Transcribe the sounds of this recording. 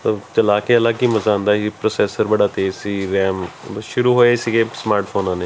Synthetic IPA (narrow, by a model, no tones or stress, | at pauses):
t̪ot͡ʃəlaːkeəlaːkiːməzaːnd̪aːɦiːpɾoːsɛːsəɾbəɽaːt̪eːzsiːɾɛːmʃʊɾuːɦoːesiɡeːsmaːɾʈpʰoːnãːneː